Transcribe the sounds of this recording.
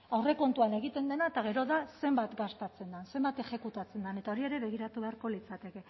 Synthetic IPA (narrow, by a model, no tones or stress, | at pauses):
awre̞ko̞nt̪uane̞ɣ̞it̪e̞nd̪e̞naet̪aɣ̞e̞ɾo̞ðase̞mbat̪ɡast̪at͡se̞nd̪anse̞mbat̪e̞xe̞kut̪at͡se̞nd̪ane̞t̪ao̞ɾie̞ɾe̞βe̞ɣ̞iɾat̪uβe̞aɾko̞lit͡sat̪e̞ke̞